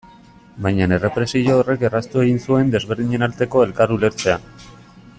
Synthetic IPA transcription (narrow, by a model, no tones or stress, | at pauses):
bajɲane̞re̞pɾe̞siʎoːre̞kerast̪ue̞ɣinsue̞nd̪e̞zβe̞ɾðiɲe̞nalt̪e̞ko̞e̞lkaɾule̞ɾt͡se̞a